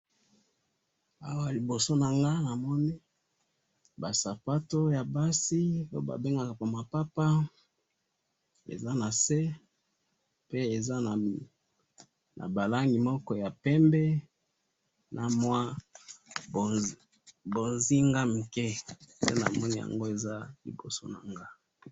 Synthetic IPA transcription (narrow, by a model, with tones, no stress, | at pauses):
a˨wa˦˨li˨bo˨so˦na˨ŋɡa˦na˨mɔ˦ni˦ | ba˨sa˨pa˦to˦ja˨ba˦si˦lo̰˦ba̰˨be˦ŋɡa˨ka˨pa˨ma˨pa˦pa˦ | ḛ˨za˦na˨se˦ | pe˦e˨za˦˨ | nʔa̰˨ba˨la˦ŋɡi˨mɔ˦kɔ˦ja˨pɛ˦mbɛ˦ | nʔa˨mwa˦˨ | bo˨nzi˦ŋɡa˦mu˨ke˦sḛ˦na̰˨mɔ˦ni˦ja̰˨ŋɡo˦e˨za˦lḭ˨ɡo˨so̰˦na̰˨ŋɡa˦